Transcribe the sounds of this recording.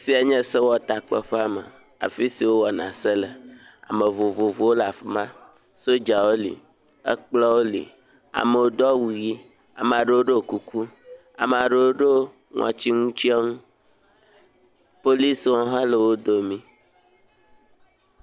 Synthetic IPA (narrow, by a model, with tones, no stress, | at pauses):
si˨a˨ɲɛ̃˦se˦wɔ˦t̪a˨k͡pɛ̰˦ɸe˦a˦mə̰˨ | a̰˨fi˦si˨wo˦wɔ˨nã̰˨se˦lə˨ | a̰˨mə̃˨vo˨vo˨vo˨wo˦la˨fi˦mã˦ | so˦d͡ʒa˨wo˦lḭ˨ | ə̰˦k͡plɔ˦wo˦lḭ˨ | a̰˨mə˨wo˦d̪ɔ˦wu˨ji˦ | a̰˨m˨a˨ɖə˦wo˦ɖe˦˨ku˦ku˦ | a̰˨m˨a˨ɖe˦wo˦ɖe˦ | ŋʔɔ̰̃˨t͡ɕi˦ŋũ˦t͡ɕi˦ɛ˦ŋũ˦ | po˦li˦sɔ̃˦ɦã˦lə˨wo˦d̪o˦mĩ˦